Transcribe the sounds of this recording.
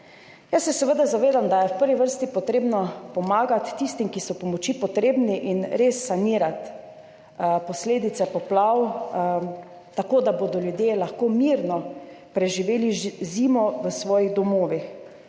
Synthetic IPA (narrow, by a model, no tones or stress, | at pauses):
jasːɛsɛʋəd̪azaʋeːd̪amd̪ajɛwpəɾʋiʋəɾst̪ipɔt̪ɾeːbnɔpɔmaːɡat̪ːist̪imkisɔpɔmɔt͡ʃipɔt̪ɾeːbniʔinɾesːaniːɾat̪ | pɔsleːd̪it̪sɛpɔplaw | t̪akoːd̪abod̪ɔljud̪jelaxkoːmiɾnɔpɾɛʒiʋeːlizimɔʋəsʋɔːjiɣd̪ɔmoːʋix